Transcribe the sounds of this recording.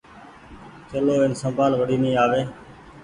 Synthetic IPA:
t͡ʃəloːɪnsəmbʱaːlʋəɽiːnĩːaːʋeː

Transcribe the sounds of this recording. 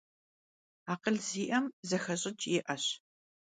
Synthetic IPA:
aːqəɮziːʔɐmzɐxɐɕʼɪt͡ʃʼjɪʔɐɕ

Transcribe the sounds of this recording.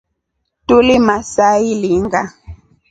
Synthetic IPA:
tulimasailiŋɡa

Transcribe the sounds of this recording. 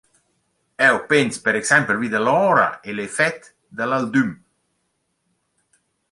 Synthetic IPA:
ɛwpenspeɾɛksɛmpəvid̪alɔːɾa̰elefɛt̪ | d̪alald̪ym

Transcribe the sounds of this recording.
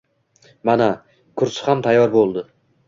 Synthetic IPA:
mana | kʰʊɾsɪ̥hamt̪ʰajːɒɾbolˠd̪ɪ

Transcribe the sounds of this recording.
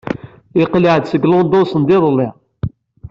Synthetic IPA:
iqliʕd̪səɡlond̪osənd̪ɪðˤlːɪʁ

